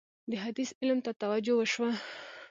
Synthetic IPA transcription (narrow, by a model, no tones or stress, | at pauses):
d̪əɦad̪isɪlmt̪at̪awad͡ʒowəʃwa